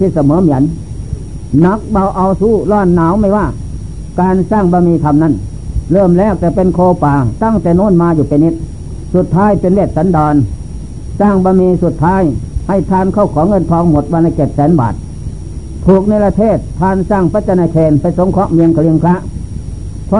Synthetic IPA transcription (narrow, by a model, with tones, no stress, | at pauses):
iː˧˩sa˧mɤː˨˦mi˨˦ən | na˦˥k̚ba˧˩wʔa˧wsuː˧˥˩lɔː˧˩nːaː˨˦wma˧˩jwaː˧˩ | kaː˧nsaː˧˩˨ŋbɔː˧miː˧k̪ʰa˧mna˧˩˨n | lɤː˧˥˩mlɛː˧˩˨wt̪ɛː˧˩pe˧nkʰoː˧paː˨˩t̪a˧˥˨ŋt̪ɛː˨˩noː˧˥˨nmaː˧juː˨˩pa˨˧jni˦˧˥t̪̚ | su˨˧˩t̪ʰːaː˧˥˨jpe˧nweː˧˩t̪̚sa˨˦˥ndɔː˧n | saː˧˩ŋbɔː˧˨miː˧su˨˧˦t̪ʰːaː˦˥˨jha˧˩˨jt̪ʰaː˧˨nkʰa˧˥˩wkʰɔː˨˦ŋɤ˧˨nt̪ʰɔː˧ŋmo˨˩˦t̪̚baː˧la˧˩ke˨˩p̪̚sɛː˨˦nba̰ː˨˩t̪̚ | t̪ʰuː˨˩k̚na˧jla˧t̪ʰeː˧˩t̪ʰːaː˧nsaː˧˥˩ŋpa˧˥t͡ɕa˧naː˧kʰeː˧npa˧˩jso˨˧˦ŋkʰɔ˦˥ʔmi˧əŋkʰa˧li˧əŋkʰla˦˥ʔ | pʰɔ˧